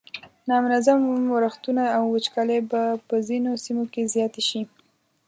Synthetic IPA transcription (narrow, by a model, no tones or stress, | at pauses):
nɑmʊnazamaɾaxt̪unaːwːət͡ʃkalebapəzinosimokezjɑt̪eʃi